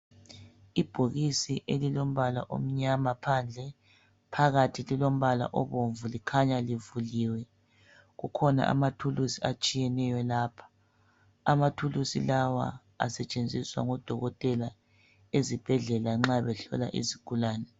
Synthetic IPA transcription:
ib̥ʱoɣisiʔelilom̩βala̰ʔo̰m̩ɲamapʰand͡ɮʱɛ | pʰaɣatʰililom̩βala̰ʔɔβoɱvulikʰaɲalivuliːwɛ | ɣukʰɔna̰ʔa̰matʰulusiat͡ʃʼijɛnɛjɔlaːpʰḁ | amatʰulusḭlawa̰ | a̰sɛt͡ʃʼend͡zʱiswa̰ŋɔd̥ʱɔɣɔtʼɛla | ezib̥ʱɛɮɛlaŋ͡ǁaβɛɬɔ̰la̰ʔḭzikʰʼulaːnɛ

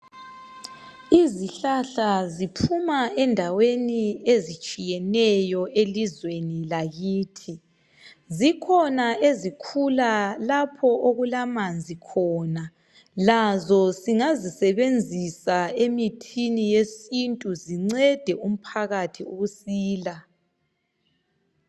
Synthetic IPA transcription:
iziɬaɬazipʰumaɛndʱaweniezit͡ʃʼijɛnɛjɔʔelizwenilaɣiːtʰi | zikʰɔnaezikʰulalapʰɔʔoɣulamand͡zʱikʰɔːna | lazɔsiŋazisɛβend͡zʱisaemitʰinijesintʼuziŋ͡ǀɛd̥ʱɛum̩pʰaɣatʰiuɣusiːla

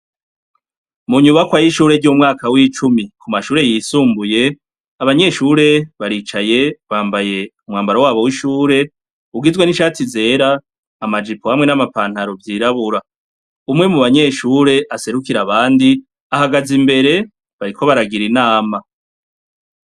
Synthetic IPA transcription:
muɲuβakwajiʃuːɾe̞ɟumŋaːkawiːt͡ʃumikumaʃuːɾe̞jiːsuːmbuje̞ | aβaɲe̞ʃuːɾe̞βaɾiːt͡ʃaje̞βaːmbaje̞umŋaːmbaɾowaːβo̞wiʃuːɾe̞ | uɡizɡwe̞niʃaːtize̞ːɾaː | mad͡ʒipohamŋe̞namapaːn̥haɾovjiːɾaβuɾa | umŋe̞muβaɲe̞ːʃuːɾe̞ʔase̞ɾukiɾaβaːndi | ahaɡazimbe̞ɾe̞ | βaɾikʰo̞βaɾaɡiɾinaːma

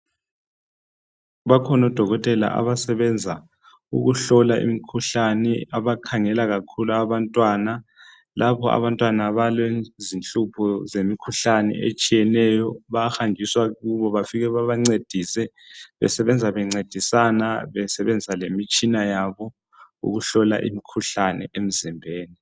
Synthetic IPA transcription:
βakʰɔnɔd̥ʱɔɣɔtʼɛla̰ʔa̰βasɛβɛnd͡zʱa | ṵɣuɬɔlaʔḭmikʰuɬanɛaβakʰaŋɛlaɣakʰuluaβantʼwana | lʔapʰɔa̰βantʼwanaβalwezint͡ɬʼupʰɔzemikʰuɬanɛ̰ʔḛt͡ʃʼijɛnɛjɔβaxaŋd͡ʒʱiswaɣuβɔβafiɣɛβaβaŋ͡ǀed̥ʱisɛ | βɛ̰sɛβɛnd͡zʱaβɛŋ͡ǀed̥ʱisanaβɛsɛβɛnd͡zisalemit͡ʃʼinajaβɔ | ṵɣuɬɔla̰ʔḭmikʰuɬanɛ̰ʔem̩zimbʱeːni

